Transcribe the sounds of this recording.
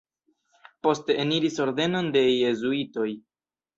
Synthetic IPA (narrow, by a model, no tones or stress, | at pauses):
po̞ste̞ːniɾiso̞ɾde̞no̞nde̞je̞zuito̞j